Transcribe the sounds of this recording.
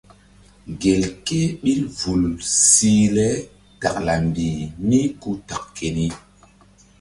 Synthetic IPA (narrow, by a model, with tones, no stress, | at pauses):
ɡe˨lke˦ɓi˦ɾvu˨lsi˦lɛ˦ | ta˨kla˨mbi˨mi˦ku˦ta˨kke˨ni˦